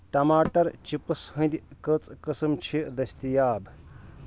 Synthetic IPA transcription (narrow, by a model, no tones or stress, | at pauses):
ʈɐmaːʈɐɾt͡ʃipɨshə̃nd̪ikət͡sʼkəsɨmt͡ʃʰid̪ɐsʲt̪ijaːb